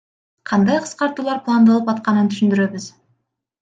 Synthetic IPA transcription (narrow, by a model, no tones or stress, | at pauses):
qʰɑnd̪ɑjqʰə̥sqɑɾt̪uːlˠɑɾpʰlˠand̪ɑlˠəpɑt̪̚qɑnənt̪ʰʏ̥ʃɪnd̪ɪɾe̞bɪz̥